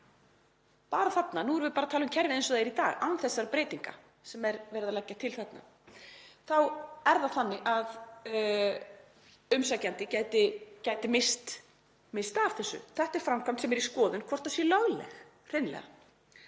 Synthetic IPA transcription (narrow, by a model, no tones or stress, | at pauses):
paːɾaθat̪nanuɛɾvɪpaːɾat̪ʰaːlʏmcʰɛɾvɪejnsɔðejɾit̪a̰ːɣawnθɛsːaɾapɾeːjt̪iŋka̰ | sɛmɛɾvɛːɾɪðalɛcːat̪ʰɪlθɛt̪na̰ | θawɛɾðaθanːɪʔað | ʏmsacant̪ɪcaːjt̪ɪcaːjt̪ɪmɪst̪ | mɪst̪av̥θɛsːʏ̰θɛht̪ɛɾ̥fɾamkʰam̥t̪sɛmɛɾiskɔːðʏnkʰvɔr̥t̪ḁsjɛlœɣlɛ̰x | r̥ɪnlɛ̰ɣa̰